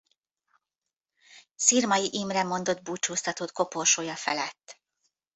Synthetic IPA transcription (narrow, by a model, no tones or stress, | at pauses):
sirmɒjiʔimrɛmo̞nd̪o̞d̪̚buːt͡ʃuːst̪ɒt̪oːt̪̚ko̞porʃoːjɒfɛlɛt̪ː